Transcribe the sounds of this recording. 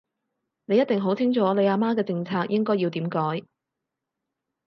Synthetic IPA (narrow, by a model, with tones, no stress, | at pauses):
ne˨˧jɐ˥t̚t̪ɪ˨ŋɦo˨˥wt͡sʰɪ˥ŋt͡ʃʰɔː˨˧˥le˨jaː˧maː˥kɛː˧t͡sɪ˧ŋt͡sʰaː˧k̚jɪ˥ŋkɔː˥ji˧wt̪iː˨˥mkɔː˨˥j